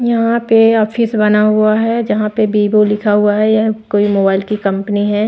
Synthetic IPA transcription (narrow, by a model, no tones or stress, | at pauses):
jɐɦãpeɔːpʰɪsbɐnaɦuaɦɛd͡ʒɐɦãpebiːbolɪkʰaɦʊaɦɛjɛkoːimoːbaːɪlkikɐ̃mpəniɦɛː